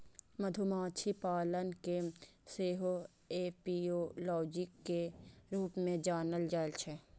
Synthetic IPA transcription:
mɐd̪ʱʊmaːt͡ʃʰipaːlənkeseːɦo | eːpiolɔːd͡ʒɪkːeɾuːpmẽd͡ʒaːnəld͡ʒaːlt͡ʃʰe

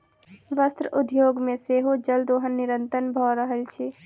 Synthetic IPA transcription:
ʋəst̪ɾəʔud̪joːɡmẽseɦod͡ʒəld̪oɦənːiɾənt̪ənbʱɔɾəɦəlt͡ʃʰɛ

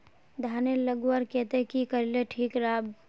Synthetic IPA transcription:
d̪ʱaːneləɡuaɾkɛt̪ekikəɾleʈʰiːkɾaːb

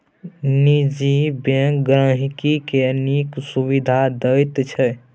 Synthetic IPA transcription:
nid͡ʒibẽkɡɾə̃ɦikikeniksuβid̪ʱad̪əjt̪t͡ʃʰɛ

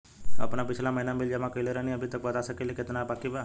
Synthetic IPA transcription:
ɐ̰pnapɪt͡ʃʰlamɐɦinamɪld͡ʒɛmãkəileɾənĩɐbʱit̪ək̚bɐt̪asəkelekɪt̪nabaːkibaː

